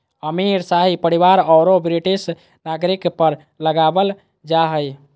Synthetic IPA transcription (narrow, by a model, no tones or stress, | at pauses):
əmiɾsaɦipəɾiβaɾɔɾobɾiʈis | naɡɾikpəɾ | ləɡabəl | d͡ʒaɦəj